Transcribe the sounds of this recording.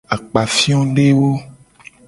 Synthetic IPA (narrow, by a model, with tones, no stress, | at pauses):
a˨k͡pa˨fi˦ɔ̃˦ɖe˦wo˦